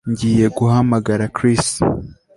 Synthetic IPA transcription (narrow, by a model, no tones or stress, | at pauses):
ɲɟiːje̞ɡuhamaɡaɾakɾist